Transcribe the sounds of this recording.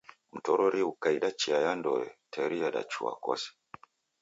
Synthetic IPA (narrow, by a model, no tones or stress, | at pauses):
m̩tɔɾɔɾiukaiɗat͡ʃiajandɔɛtʰɛɾijaɗa̰t͡ʃua̰kɔ̰si̥